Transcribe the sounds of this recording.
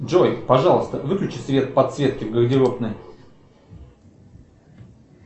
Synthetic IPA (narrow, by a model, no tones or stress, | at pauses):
dʐojpɐʐɑlˠəst̪əvɨklʲʉt͡ɕɪsvʲe̞t̪̚pɐt̪svʲe̞t̪̚kʲɪvɡəɣdʲɪɾopnɨ